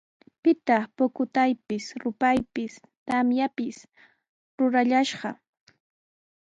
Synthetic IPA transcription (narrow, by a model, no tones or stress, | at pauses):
pɪt̪ɑχpokʊt̪ajpɪsɾʊpajpɪs | t̪amjapɪs | ɾʊɾaʎaʃɢɑ